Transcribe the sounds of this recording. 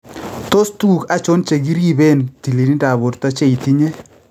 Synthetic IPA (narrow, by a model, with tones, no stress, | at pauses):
t̪o˦st̪u˨ka˦t͡ʃo˦nt͡ʃe˨ɡi˦ɾi˦be˦˨nti˨li˨ni˦da˨bo˨tt̪a˦t͡ʃe˦i˨t̪i˦ɲe˦